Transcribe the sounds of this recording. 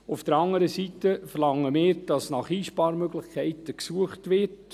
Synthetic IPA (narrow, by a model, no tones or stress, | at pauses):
ufd̥əɾɑŋəɾəsitəfərlɑŋːəmɪːɾd̥ɑsnɑχiːʃpɑːɾmøɡlɪχkʰɛɪtəksuəχtʋɪrt